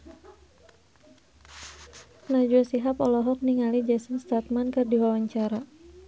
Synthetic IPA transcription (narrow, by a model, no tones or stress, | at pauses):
nad͡ʒuasiɦapɔlɔɦɔk̚niŋalid͡ʒasənst̪at̪̚mankɨrdiwawaɲt͡ʃaɾa